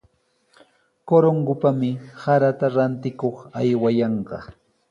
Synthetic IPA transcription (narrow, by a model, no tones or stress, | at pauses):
koɾoŋɡʊpamɪsaɾat̪aɾant̪ɪkoχajwajɑɴɢɑ̰